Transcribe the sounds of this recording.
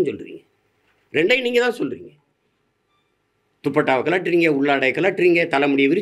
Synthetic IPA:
nsɔlɯɾḭːŋɡɐ | ɾɛɳɖɐɪniːŋɡɐt̪ãːsɔlːɾḭːŋɡɐ | t̪ʊpːɐʈːaːʋɐkːɐɭaːʈɾiːŋɡɐʊɭːaːɽɐɪkːɐɭaːʈːɪɾiːŋɡɐt̪ɐlɐmʊɽɪjɐʋɪɾɯ

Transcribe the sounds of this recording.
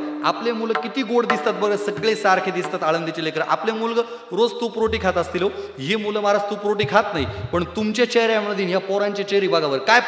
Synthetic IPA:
a̰plemuləkit̪iːɡoɽd̪ist̪at̪̚bəɡəsəɡɭesaɾkʰed̪ist̪at̪aɭənd̪it͡ɕelekɾəʔa̰plemulɡə | ɾod͡zt̪upɾoʈiːkʰat̪əst̪ilo | ɦemuləmaɾad͡zt̪upɾoʈiːkʰat̪naɦipəɳt̪umt͡ɕet͡ɕeɦɾjamɳəd̪iːnjapɔɾaɲt͡ɕet͡ɕeɾiːbaɡaʋəɾkaj

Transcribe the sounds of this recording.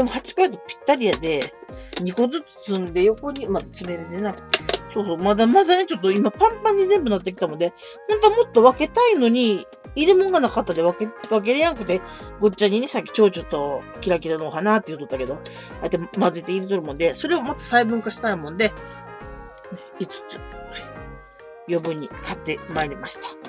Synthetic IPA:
d̪e̞mo̞hat͡ɕi̥kait̪opʲi̥t̪ːaɾʲijad̪e̞ɲ̟iko̞zɨt͡sɨ̥sɨ̃nd̪e̞jo̞ko̞ɲ̟imad̪at͡sime̞ɾɯd̪enaso̞ːso̞ːmad̪amad̪anet͡ɕo̞t̪̬ːo̞imapãmpãɲ̟ːizẽ̞mbɯ̟nat̪̬ːe̞kʲi̥t̪amo̞nd̪e̞ | nãŋkamo̞t̪ːo̞βake̞t̪aino̞ɲ̟iː | ɾɯ̟mõ̞ŋɡanakat̪ːad̪e̞βakeβak̬e̞ɾejaŋkɯ̟̥t̪e̞ɡo̞t͡ɕːaɲ̟ːinesakʲːi̥t͡ɕo̞ːt͡ɕot̪ːo̞ | kʲiɾakʲiɾano̞ːɦanat̪ːe̞iɯ̟t̪ot̪ːake̞d̪o̞aet̪ːemazɨit̪eiɾet̪o̞ɾɯ̟mõ̞nd̪e̞so̞ɾe̞o̞mot̪ːḁsaibɯ̟̃ŋkaɕi̥t̪aimõ̞nd̪e̞ | neit͡sɨ̥t͡sɨ̥ | jo̞bɯ̟ɲ̟ːikʰat̪ːe̞maeɾʲimaɕi̥t̪ḁ

